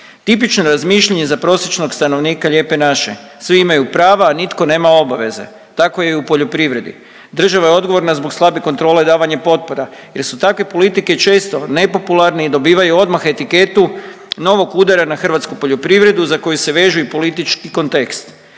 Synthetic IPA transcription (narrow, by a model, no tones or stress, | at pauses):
t̪ipit͡ʃnoɾazmiʃʎaɲe̞zapɾo̞sjet͡ʃno̞ɡst̪ano̞ʋniːkaʎe̞ːpe̞naʃe̞̰ | sʋiimajupɾaːʋaːnit̪ko̞ne̞ːmao̞baʋe̞zḛ | t̪ako̞jeupo̞ʎo̞pɾiʋɾe̞d̪ḭ | d̪r̩ʒaʋajeo̞d̪ɡoʋo̞ɾnazbokslˠabekont̪ɾo̞ːleid̪aːʋaɲepo̞t̪̚po̞ɾa | je̞ɾsut̪akʋe̞po̞lit̪ike̞t͡ʃe̞ːst̪o̞ne̞po̞pulaɾneid̪o̞biːʋajuo̞d̪maxe̞t̪ike̞t̪u | no̞ʋo̞kuːd̪aɾanaxr̩ʋat̪skupo̞ʎo̞pɾiʋɾe̞d̪uzako̞juse̞ʋe̞ʒujepo̞lit̪it͡ʃkiko̞nt̪e̞kst̪